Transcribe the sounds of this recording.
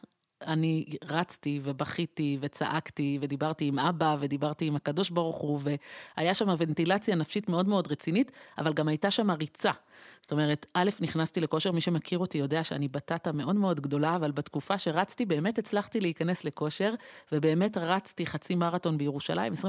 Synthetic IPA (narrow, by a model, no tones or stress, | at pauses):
aniʁat͡stivebaχitive̞t͡sa̰ʔaktive̞dibaʁtiːmʔabave̞dibaʁtiːmakado̞ʃbaʁuχuve̞ajaʃamave̞ntilat͡sjanafʃitme̞odmeo̞dʁet͡sinita̰valɡamajtaʃamaʁit͡sazo̥to̞me̞ʁe̞tʔale̞fniχnastile̞ko̞ʃe̞ʁmiʃe̞makʰiʁo̞tijo̞de̞aʃeanibatatame̞ʔo̞dmeo̞dɡdo̞laːvalbatkufaʃe̞ʁat͡stibe̞ːme̞tet͡slaχtileikane̞sle̞ko̞ʃe̞ʁve̞be̞ːme̞tʁat͡stiχat͡simaʁato̞nbejeʁuʃa̰lʔa̰imesʁi